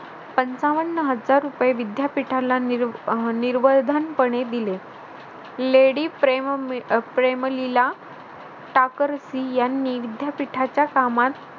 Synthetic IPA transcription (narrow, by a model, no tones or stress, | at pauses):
pənt͡saʋəɳːəɦəd͡zaɾːupjeʋid̪japiʈʰala | niɾʋəd̪ʱanpəɳed̪ile | leɽiːpe | pɾeməlila | ʈakəɾsijanːiʋid̪japiʈʰat͡ɕjakamat̪